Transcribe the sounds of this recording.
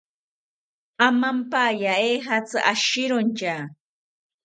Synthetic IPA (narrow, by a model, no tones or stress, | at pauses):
amampajaexat͡sɨʔaʃɪɾont͡ʃa